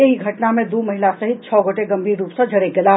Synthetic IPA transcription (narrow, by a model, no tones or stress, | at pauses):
eɦiɡʱɐʈnamẽd̪oːmɐɦɪlasɐɦɪt̪̚t͡ʃʰɔːɡoʈeɡɐ̃mbʱiːɾːuːpsɐd͡ʒʱɐɽeɡɪlaː